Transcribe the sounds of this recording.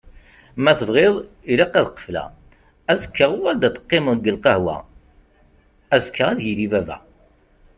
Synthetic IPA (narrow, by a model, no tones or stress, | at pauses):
mæθəvʁeðˤ | iɾiqːæðqːə̥flæ̰ | æzəkːəʁʊæld̪æt̪ə̥qːɪməðɡːəlqɑhwæ̰ | æzəkʰːaʁæðjilivævæ̰